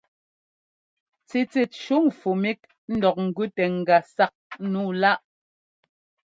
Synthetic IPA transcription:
t͡si˨t͡sɛ˨t̚ʃu˦ŋfu˨mi˦k̚ | n̩˦dɔ˨k̚ŋ̩˨ɡʉ˦tɛ˨ŋ̩˨ɡa˨sa˦k̚nu˦˨la˦ʔ

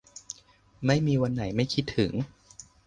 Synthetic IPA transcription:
ma˥˩jmiː˧wa˧nːa˩˦jma˥˩jkʰi˦˥t̪ʰːɯ˩˦ŋ

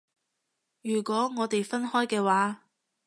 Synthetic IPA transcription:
jyː˨˩kʷɔː˨˥ŋɔː˨˧t̪e˨jfɐ˥nɦɔː˥jkɛː˧waː˨˥

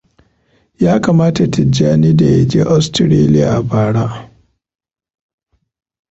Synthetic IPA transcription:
jaː˦kaː˨maː˦ta˨tʰɪ˨d͡ʒaː˦niː˦da˨jɐ˨d͡ʒeː˦ʔa˦stɪ˨ɾeː˦lɪ˦ja̰˨ʔa˨baː˨ɽa˦

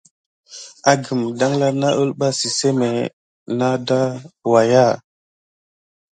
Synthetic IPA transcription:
a˨ɡi˨mda˦ŋla˦na˦ə˦lɓa˦si˨se˦me˨ | na˦da˦wa˨ja˦˨

